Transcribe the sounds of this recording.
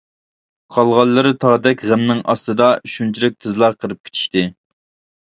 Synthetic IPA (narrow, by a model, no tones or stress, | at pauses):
qʰɑlˠʁɑlˠːɨɾɨt̪ʰɑːd̪ɛkʲʁæmnɪŋʔɑst̪ɨd̪ɑʃunt͡ʃʰiɾɪk̚ʲt̪ʰɨzlˠɑɾqʰəɾɨp̚kʲe̥t͡ʃ̪ʰi̥ʃt̪ɪ